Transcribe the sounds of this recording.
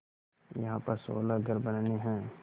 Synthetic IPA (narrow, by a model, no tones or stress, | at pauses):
jɐɦãpɐɾso̰ːlaɡʱəɾbɐnneɦɛ̃ː